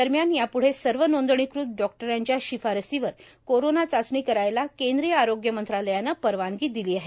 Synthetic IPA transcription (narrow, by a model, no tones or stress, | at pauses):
əɾmjanjapuɽ̤esəɾʋənond̪ɳ̃ikɾut̪̚ɖɔk̚ʈəɾjaɲt͡ɕjaɕifaɾəsiʋəɾ | koɾonat͡sat͡sɳiːkəɾajlakend̪ɾijəaɾoɡjəmənt̪ɾaləjanːəpəɾʋanɡiːd̪iliːaɦe